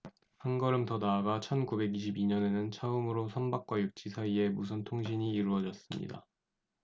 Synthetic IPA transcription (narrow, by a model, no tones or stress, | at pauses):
hanɡʌɾɯmtʌnaːɡat͡ɕʰʌnkube̞ɡiɕ̬ʰibiɲʌne̞nɯnt͡ɕʰʌɯmɯɾosʰʌnbak̚k͈wajuk̚t͡ɕ͈isʰaie̞mus̬ʰɯntʰoŋɕ̬ʰiɲiːɾuʌd͡ʑʌs͈ɯmɲḭda̰